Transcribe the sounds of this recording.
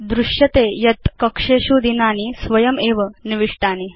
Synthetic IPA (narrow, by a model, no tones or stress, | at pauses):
d̪ɾuʂjɐt̪ejɐt̪kɐkʂeːɕuːd̪inaːnisʋɐjɐmeːʋəniʋiʂʈaːni